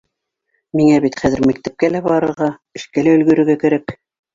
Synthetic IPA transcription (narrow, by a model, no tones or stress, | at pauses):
miŋæβit̪χæðɘ̆ɾmæk̚t̪æp̚kælæbɑɾɤ̆ɾʁɑɘ̆ʃkælæɵlɡɵ̆ɾɵ̆ɾɡækɘ̆ɾæk